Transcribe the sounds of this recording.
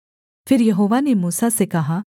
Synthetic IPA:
pʰɪɾjɐɦoːʋanemuːsasekɐɦaː

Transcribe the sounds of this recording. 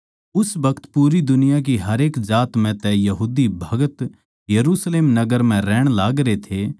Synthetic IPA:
ʊsʋɐkʰt̪puːɾid̪ʊnɪjak̬iɦɐɾeːkzaːt̪mɛ̃t̪ɛjɐɦuːd̪ibʱɐɡət̪ | jɐɾuːsleːmnɐɡəɾmɛ̃ɾɛːɽ̃laːɡɾet̪ʰe

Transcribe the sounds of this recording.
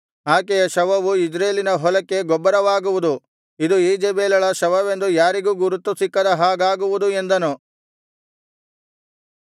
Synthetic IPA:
aːkejɐʃɐʋɐʋuid͡ʒɾeːlinɐɦɔlɐkːe̞ɡɔbːɐɾɐʋaːɡuʋud̪u | id̪uiːd͡ʒebeːlɐɭɐʃɐʋɐʋe̞nd̪ujaːɾiɡuːɡuɾut̪ːusikːɐd̪ɐɦaːɡaːɡuʋud̪ue̞nd̪ɐnu

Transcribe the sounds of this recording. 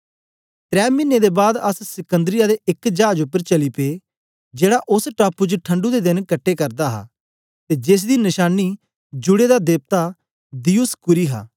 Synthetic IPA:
t̪ɾɛːmɪnːed̪eːbaːd̪əssɪkə̃nd̪ɾɪjaːd̪eʔɪkd͡ʒaːd͡ʒʊpːəɾt͡ʃəliːpeː | d͡ʒeːɽaʔʊsʈaːpːud͡ʒʈʰəɳɖud̪ed̪ɪnkəʈʰːeːkəɾd̪aːɦa̰ː | t̪eːd͡ʒɪs̬d̪iːnɪʃaːniː | d͡ʒʊɽeːd̪ad̪eːb̚t̪a | d̪iːʊskʊɾiːɦa̰ː

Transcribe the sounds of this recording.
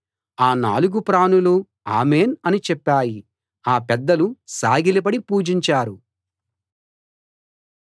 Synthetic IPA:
aːna̰ːluɡupɾaːnulu | a̰ːme̞ːnɐnit͡ʃɛpːaːji | aːpɛd̪ːɐlusaːɡilip̬ɐɽipuːd͡ʒiɲt͡ʃaːɾu

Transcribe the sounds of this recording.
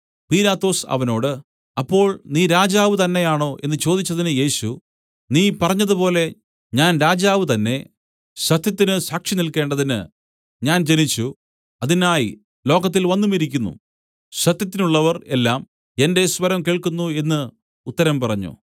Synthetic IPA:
piːlaːt̪ːo̞ːsɐ̰ʋɐno̞ːɽɨ | ɐpːo̞ːɭniːɾaːd͡ʑaːʋɨt̪ɐnːe̞jaːɳo̞ːʔe̞nːɨt͡ɕo̞ːd̪it͡ɕːɐðinɨje̞ːɕu | niːpɐrɐɲːɐðupo̞ːle̞ | ɲaːnɾaːd͡ʑaːʋɨt̪ɐnːe̞ | ɕɐt̪jɐt̪ːinɨsaːkʂinilke̞ːɳɖɐðinɨ | ɲaːnd͡ʑe̞nit͡ɕːu | ɐðinaːji | lo̞ːɣɐt̪ːilʋɐnːumiɾikʲːunːṵ | ɕɐt̪jɐt̪ːinuɭːɐʋɐre̞lːaːm | e̞nde̞sʋɐɾɐmkeːɭkunːue̞nːɨ | ut̪ːɐɾɐmpɐrɐɲːṵ

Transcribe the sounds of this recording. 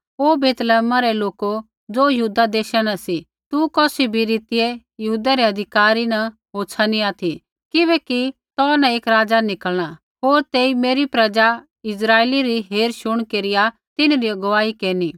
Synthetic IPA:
oːbeːt̪lɛːmaɾɛloːko | d͡zoːjɐɦuːd̪ad̪eːʃanɐsi | t̪ukɔːsibʱiɾiːt̪ɪe | jɐɦuːd̪aɾɛɐd̪ʱɪkaːɾinɐ | ɦoːsʰaniaːt̪ʰi | kɪβɛːkit̪ɔːnãeːkɾaːd͡zanɪkəlɽ̃a | ɦoːɾt̪eːimeːɾipɾɐd͡ʒa | ɪsɾaːeːliɾiɦeːɾʃʊɽ̃keːɾɪja | t̪ɪnɾiɐɡʋaːikeːni

